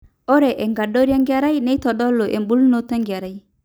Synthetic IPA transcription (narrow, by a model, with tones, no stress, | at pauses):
o˦ɾe˨ʔe˨ŋɡa˨do˦ɾja˦ŋɡja˨ɾa˦jne˦i˦tɔ˨dɔ˦lːo˨ʔḛ˨mbu˦lno˦ta˦ŋɡi˨a˨ɾa˦j